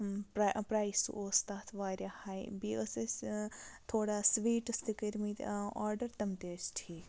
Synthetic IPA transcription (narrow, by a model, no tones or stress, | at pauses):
pɾpɾaːisṵʔoːst̪aːt̪ʰʋaːɾjahaːjbiːəse | t̪ʰoːɽaːsʋiːʈɨst̪ikɐɾmit̪aːɾɖɐɾt̪ɐmt̪eːsʈʰiː